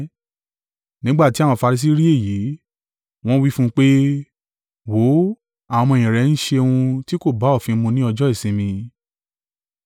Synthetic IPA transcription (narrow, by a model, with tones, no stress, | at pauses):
nĩ˦ɡ͡ba˦˨ti˨˦a˦˨wɔ̃˧fa˧ɾi˧s̬i˦ɾi˦e˦˨ji˨˦ | w̃ɔ̃˦wi˦fũ˦k͡pe˦ | wo˨˦ | ã˨˧ɔ̃˧˨j̃ĩ˨ɾɛ˨˦n̩˦ʃe˧ũ˧ti˦ko˦˨ba˨˦ɔ˦˨fĩ˧mũ˧nĩ˦ɔ˧d͡ʒɔ˦i˦˨sĩ˧˦mĩ˧